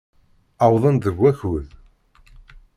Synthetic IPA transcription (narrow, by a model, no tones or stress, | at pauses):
ɑwðˤənðəɡʷːæçuð